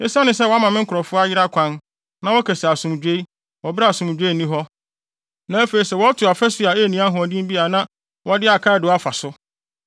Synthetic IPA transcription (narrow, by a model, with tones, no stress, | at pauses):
e˦sã˦nɪ̃˨s̬ɛ˦wɔ˦a˦mã˨mɪ̃˦ŋ̩˦kʰʊ˨ɾɔ˨fʊ˦a˦jɪ˦ɾa˦kʷʰã˦n | nã˦wɔ˦kʰæ˨si˨a˨sʊ̃˨m˨d͡ʑᶣe˦i˦ | wɔ˨bɪ˦ɾa˦˨sʊ̃˨m˨d͡ʑᶣe˦˨nĩ˦ɦɔ˦ | nã˨˦æ˦fe˨i˨sɛ˦˨wɔ˦tʰʊ˨a˨fɛ˦sɪ˨a˨e˦˨nĩ˦a˦ɦʊ̃˨ɔ˨dɪ̃˦m˦bi˦a˨nã˦ | wɔ˦dɪ˦a˨kʰa˦˨dɪ˨a˦fa˨sʊ˦